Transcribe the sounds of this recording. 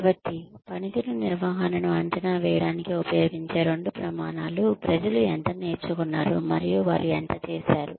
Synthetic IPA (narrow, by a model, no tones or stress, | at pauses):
bɐʈ̪ːipɐnit̪ununiɾʋaːɦɐnɐnuɐɲt͡ʃɐnaːʋɛːjɐɽaːnikiupɐjoːɡiɲt͡ʃe̞ːɾoɳɖupɾɐmaːnaːlupɾɐd͡ʒɐluɛnt̪ɐne̞ːɾt͡ʃukunːaːɾumɐɾijuʋaːɾuɛnt̪ɐt͡ʃeːsaːɾu